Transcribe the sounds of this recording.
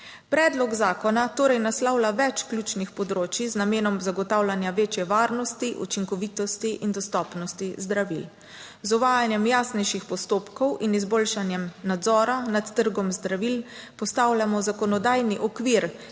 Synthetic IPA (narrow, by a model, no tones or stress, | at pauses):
pɾɛːd̪lɔɡzaːkɔnat̪oːɾɛjnaslɔwlaʋɛt͡ʃkljut͡ʃnixpɔd̪ɾoːt͡ʃiznameːnɔmzaɡɔt̪awlʲanjaʋeːt͡ʃjɛʋaːɾnɔst̪iʔṵt͡ʃiŋkɔʋiːt̪ɔst̪iʔind̪ɔst̪ɔːpnɔst̪izd̪ɾaʋḭl | zɔʋaːjanjɛmjaːsnɛjʃixpɔst̪oːpkɔwinizboːlʃanjɛmnad̪zɔːɾanat̪ːəɾɡɔmzd̪ɾaʋilpɔst̪aːwlʲjamɔzakɔnɔd̪aːjniʔɔkʋiɾ